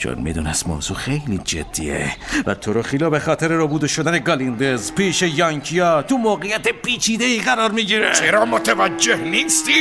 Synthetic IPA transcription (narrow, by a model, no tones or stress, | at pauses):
t͡ʃʰo̰nmḭd̪unæst̪mo̰ːzuxejlid͡ʒḛd̪̥ːḭḛvæ̰t̪ʰoɾoxilɒːbexɒːt̪ʰeɾeɾobuːd̪eʃod̪æne̞ɡɒlind̪ezpiːʃejɒŋcʰijɒːt̪ʰumoːɣejæt̪epʰiːt͡ʃʰiːd̪eiːɣæɾɒːɾmiːɟiːɾet͡ʃeɾɒːmot̪ʰevæd͡ʒːehniːst̪i